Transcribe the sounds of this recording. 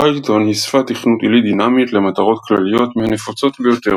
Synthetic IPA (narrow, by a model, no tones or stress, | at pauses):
ajt̪o̞nhisfat̪iχnut̪ilid̪inamit̪le̞mat̪aʁo̞t̪klalijo̞tmehanefot͡so̞t̪bejo̞t̪e̞ʁ